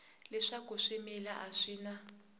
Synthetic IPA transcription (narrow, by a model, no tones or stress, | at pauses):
lɛʂaɡ̥ʱɔʃɛmɛlaʔaʂiːna